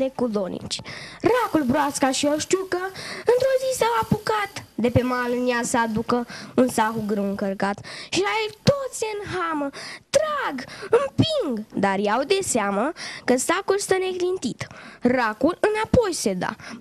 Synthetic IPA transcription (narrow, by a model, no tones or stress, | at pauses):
d̪ekud̪o̞nḭt͡ʃʲrakulbɾoaskaʃioʃt̪ukəɨnt̪ɾo̞zisawapukat̪d̪e̞pe̞malɨnjasəad̪ukəunsaxuɡɾɨwɨŋkərkat̪ʃiaert̪o̞t̪sʲeɨnɦamət̪ɾaɡɨmpiŋɡd̪arjeawd̪e̞seaməkəsakulst̪əne̞ɡlint̪it̪rakulɨnapo̞jse̞d̪a̰